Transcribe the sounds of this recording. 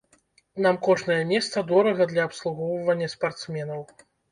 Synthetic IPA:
namkɔʐnɐjɐmʲɛst̪sɐd̪ɔɾɐɣɐd̪lʲɐːpslˠuɣɔwvɐnʲːɐspart̪smʲɛnɐw

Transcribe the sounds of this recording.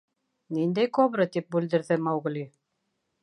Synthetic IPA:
nind̪æjkoβɾɤt̪ip̚bʉld̪ɘ̆ɾðɘmɑwɣɘ̆lʲi

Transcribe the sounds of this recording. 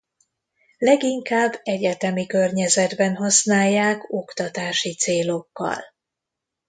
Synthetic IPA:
lɛɡiŋkaːbːɛɟɛt̪ɛmikørɲɛzɛd̪bɛnɦɒsnaːjːaːko̞kt̪ɒt̪aːʃit̪seːlo̞kːɒ̰l

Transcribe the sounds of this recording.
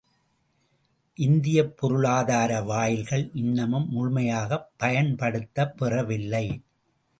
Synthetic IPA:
ʔɪnd̪ɪjɐpːɔɾɯɭaːðaːɾɐʋaːjɪlɣɐɭʔɪnːɐmɯmːʊɻmɐjaːɣɐpːɐjɐɳpɐɽɯt̪ːɐpːɪrɐʋɪlːɐɪ

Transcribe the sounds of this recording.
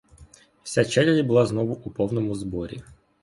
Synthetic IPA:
wsʲat͡ʃɛlʲɛɾʲibʊlˠɑznɔʋʊʔupɔwnɔmʊzbɔɾʲḭ

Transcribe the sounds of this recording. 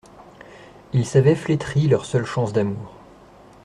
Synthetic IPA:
ilsavɛflet̪χilœʁsœlʃɑ̃sd̪amuːʁ

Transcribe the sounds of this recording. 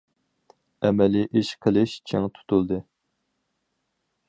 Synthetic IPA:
ɛmɛliʔiʃqʰəlˠɨʃt͡ʃʰeŋt̪ʰu̥t̪ʰulˠd̪ɨ

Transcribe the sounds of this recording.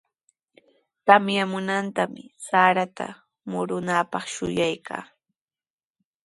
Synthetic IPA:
t̪amjamʊnant̪amɪsaːɾat̪a̰ | mʊɾʊnaːpɑχʃʊ̰jajkʰa̰ː

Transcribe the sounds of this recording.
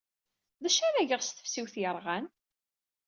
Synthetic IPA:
ðæʃæɾæʝəʁst̪ə̥fsiwθjəɾˤʁæn

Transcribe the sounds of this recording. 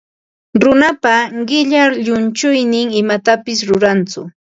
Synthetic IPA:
ɾʊnapaɢɪʎaɾʎʊnt͡ʃʊjnɪŋɪmat̪apɪs̬ɾʊɾant͡sʊ̰

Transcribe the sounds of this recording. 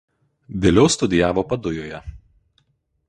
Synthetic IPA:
ʋʲelʲɛʊst̪ʊd̪ʲɪjæːʋoːpɐd̪ʊjoːjɛ

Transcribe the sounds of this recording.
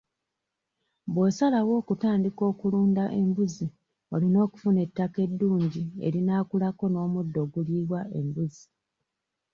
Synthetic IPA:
bwesalawo̞ːkutaːndiko̞ːkuluːndaʔe̞mbuzi | o̞lino̞ːku̥fune̞tːake̞dːuːɲɟie̞̰ɾinaːkulako̞no̞ːmudːo̞ɡuliβwaʔe̞̰mbuzi

